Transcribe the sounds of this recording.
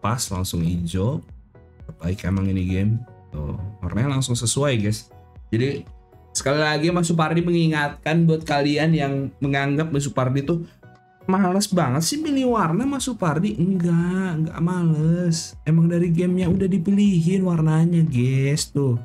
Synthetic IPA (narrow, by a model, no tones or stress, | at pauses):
pasla̰ŋsʊŋḭd͡ʒɔp̚ | əba̰ɪkḛmaŋiniɡɛmt̪ʊ̰wa̰rnaɲalaŋsʊŋsəsuajɡɛs | d͡ʒadi | sə̥kalilaɡimas̬up̬ardiməŋiŋat̪̚kanbuat̪̚kalianjaŋməŋaŋɡap̚mas̬upardit̪ʊ | maləsbaŋət̪sɪhmiliwarnamasupardiɡaʔŋɡa̰ʔmaləsemaŋdaɾiɡɛmɲaudahdipiliɦɪnwarnaɲaɡɛst̪ʊ